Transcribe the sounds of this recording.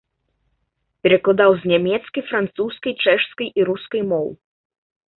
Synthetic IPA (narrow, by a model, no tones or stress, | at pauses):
pʲɛɾɛklˠad̪awznʲamʲɛt̪skɐjfɾant̪suskɐjt͡ʂɛʂskɐjʔiɾuskɐjmɔw